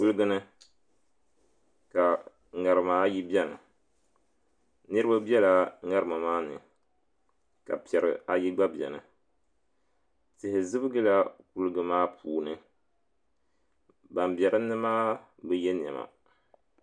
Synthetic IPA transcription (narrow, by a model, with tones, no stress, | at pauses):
ku˦lɨ˦ɡɨ˦nɨ˦ | ka˨ | ŋa˨ɾɨ˨maː˦ji˦bɛ˦nɨ˨ | nɨ˦ɾɨ˦ba˦bjɛ˦la˦ŋa˦ɾɨ˨ma˨maː˦nɨ̰˨ | ka̰˨pi˨ɛ˨ɾɨ̰˨a˨ji˦ɡ͡ba˦bjɛ̰˨nɨ˨ | tɨ˨hɪ˨zɨ˦bɨ˦ɡɨ˦la˦ku˦lɨ˦ɡɨ˨maː˦pʰuː˨nɨ˦ | ba˨mbɛ˨ɾɨ˦nːɨ˦maː˦ | bɨ˦jɛ˦n˨ɛ̰˨ma̰˨